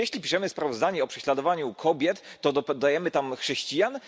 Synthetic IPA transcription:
jɛɕlʲipʲiʂɛmɘspɾavɔzd̪aɲɛɔpʂɛɕlad̪ɔvaɲukʰɔbʲjɛt̪ːɔd̪d̪ajɛmɘt̪amxʂɛɕt͡ɕijan

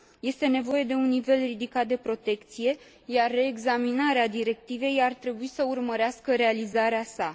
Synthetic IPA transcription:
je̞st̪e̞ne̞vo̞je̞d̪e̞unːive̞lrid̪ikat̪̚d̪e̞pɾo̞t̪e̞kt̪sije̞ | jarːe̞ːɡzaminaɾead̪iɾe̞k̚t̪ive̞jart̪ɾe̞buisəurməɾeaskəɾe̞alizaɾeasa

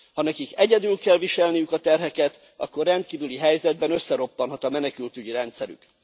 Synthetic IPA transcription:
hɒnɛkikɛɟɛd̪ylkɛlviʃɛlnijykɒt̪ɛrɦɛkɛt̪ | ɒ̰kːo̞rːɛnt̪̚kiːvyliɦɛjzɛd̪̚bɛnøsːɛɾo̞pːɒnɦɒt̪ɒmɛnɛkylt̪yɟiɾɛnt̪sɛɾy̰k

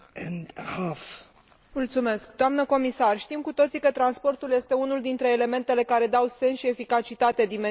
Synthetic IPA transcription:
ɛ̃ndhaf | mult̪sume̞skd̪oamnəko̞misarʃt̪imkut̪o̞t̪sikət̪ɾanspo̞rt̪ulje̞st̪e̞unuld̪int̪ɾe̞ːle̞me̞nt̪e̞le̞kaɾe̞d̪awse̞nsʃie̞fikat͡ʃit̪at̪e̞d̪ime

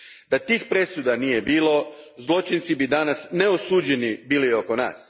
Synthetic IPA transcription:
d̪at̪iːxpɾe̞sud̪anije̞biːlˠo̞ | zlˠo̞t͡ʃint̪sibid̪anasneosuːd͡ʑenibiːlio̞ko̞na̰ːs

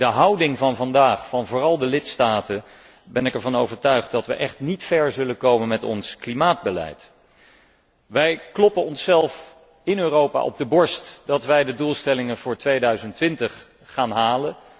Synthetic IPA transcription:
dəɦɑwdɪŋvɑnvɑndaːχfɑnvʊːrɑlˠdəlɪtstaːtə | bɛnɪkɛɹvɑnowvəɹtœɥχt̚dɑtʋəʔɛχtnitfɛɹzɵlənkowmənmɛtɔ̰nsklimaːd̚bəlɛ̰jt | ʋɛjklɔpənɔnsːɛlˠf | ɪnøːrowpa̰ʔɔ̰b̚dəbɔɹstd̥ɑtʋɛjdədulˠstɛlɪŋənvʊːɹtʋejdœɥzəntʋɪntəχː | aːnɦaːlən

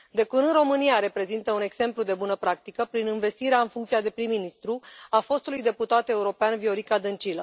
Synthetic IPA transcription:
d̪e̞kunɨnɾro̞mɨniaɾe̞pɾe̞zint̪əune̞ɡse̞mplud̪e̞bunəpɾak̚t̪ikəpɾinɨnve̞st̪iɾeaɨnfuŋkt̪siad̪e̞pɾimːinist̪ɾuafo̞st̪ulujd̪e̞put̪at̪e̞uɾo̞peanvio̞ɾikad̪ɨnt͡ʃilə

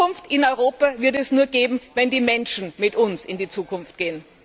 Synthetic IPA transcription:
ʊnftɪnɔʏʁoːpavɪɐtɛsnuːɐɡeːbm̩vɛndiːmɛnʃn̩mɪtʊnsɪndiːt͡suːkʊnft̚ɡ̥eːən

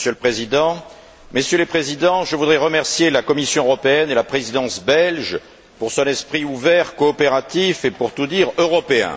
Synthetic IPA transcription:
sjøləpχezid̪ɑ̃ | məsjølepχezid̪ɑ̃ʒəvud̪ʁɛʁəmɛʁsjelakɔmisjɔ̃øʁɔpeɛnelapχezid̪ɑ̃sbɛlʒ | puʁsɔ̃nɛspχiuvɛʁkɔːpeʁat̪ifepuʁt̪ud̪iʁøʁɔpeɛ̰̃

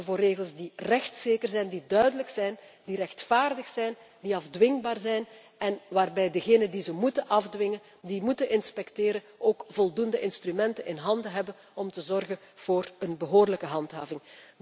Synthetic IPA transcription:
əvoːrːeːɣəlˠsdirɛxtseːkərzɛjndidœɥdələksɛjndiɾɛxtfaːrdəxsɛjn | diɑvdʋɪŋbaːrzɛjn | ɛnʋaːrbɛjdəɣeːnəndizəmutəʔɑvdʋɪŋən | dimutənʔɪnspɛkteːɾənoːkv̥ɔlˠdundəʔɪnstrymɛntənɪnɦɑndəɦɛbən | ɔmtəzɔrɣən | v̥oːrənbəɦoːrləkəɦɑntɦa̰ːvɪŋ

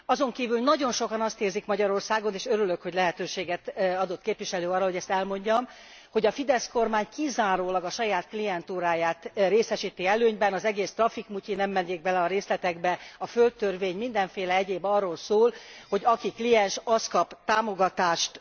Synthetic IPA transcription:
ɒzo̞ŋkiːvylnɒɟo̞nʃo̞kɒnɒst̪eːrzikmɒɟɒɾo̞rsaːɡo̞neːʃøɾylø̞kho̞ɟlɛɦɛt̪øːʃeːɡɛt̪ɒd̪o̞t̪keːpvʋiʃɛløːɒːrːɒɦo̞ɟɛst̪ɛlmo̞ɲɟɒm | ho̞ɟɒfid̪ɛsko̞rmaːɲkizaːɾoːlɒɡɒʃɒjaːt̪klijɛnt̪uːɾaːjaːt̪reːsɛʃiːt̪iɛløːɲbɛnɒzɛɡeːst̪rɒfikmucinɛmːɛnːeːɡ̚bɛlɛɒɾeːslɛt̪ɛɡbɛɒfølt̪ːørveːɲmind̪ɛɱfeːlɛɛɟeːbɒrːoːlsoːlho̞ɟɒkiklijɛnʃɒskɒpt̪aːmo̞ɡɒt̪aːʃt̪

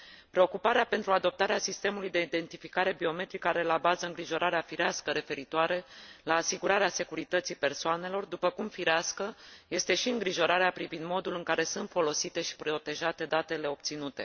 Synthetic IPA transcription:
pɾe̞o̞kupaɾeape̞nt̪ɾuad̪o̞p̚t̪aɾeasist̪e̞mulujd̪e̞id̪e̞nt̪ifikaɾe̞bio̞me̞t̪ɾikəaɾe̞labazəɨŋɡɾiʒo̞ɾaɾeafiɾeaskəɾe̞fe̞ɾit̪oaɾe̞laːsiɡuɾaɾease̞kuɾit̪ət̪sipe̞rsoane̞lo̞rd̪upəkumfiɾeaskəje̞st̪e̞ʃiɨŋɡɾiʒo̞ɾaɾeapɾivind̪mo̞d̪ulɨŋkaɾe̞sunt̪fo̞lo̞sit̪e̞ʃi̥pɾo̞t̪e̞ʒat̪e̞d̪at̪e̞le̞o̞p̚t̪sinut̪e̞̰

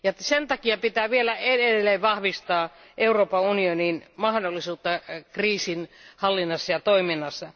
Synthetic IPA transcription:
jɑsent̪ɑkiɑpit̪æːʋielæedeelːeːʋʋɑhʋist̪ɑː | ʔeuroːpɑunioninmɑhdolːisuːt̪ːɑkriːsinhɑlːinːɑsːɑjɑt̪oiminːɑsːɑ

